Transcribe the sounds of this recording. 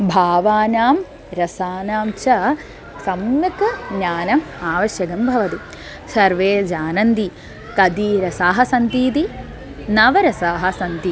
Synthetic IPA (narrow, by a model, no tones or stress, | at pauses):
bʱaːʋaːnaːm | ɾɐsaːnaːmt͡ʃɐ | sɐmmɐkɐɡɲaːnɐmaːʋɐʃjɐkɐmbʱɐʋɐt̪i | sɐɾʋeːd͡ʒaːnɐnd̪i | kɐd̪iɾɐsaːɦɐsɐnt̪iːt̪i | nɐʋɐɾɐsaːɦɐ̆sɐnt̪i